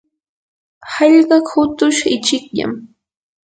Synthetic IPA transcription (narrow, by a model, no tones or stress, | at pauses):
hɑʎɢɑkhʊt̪ʊʃɪt͡ʃɪkʎa̰m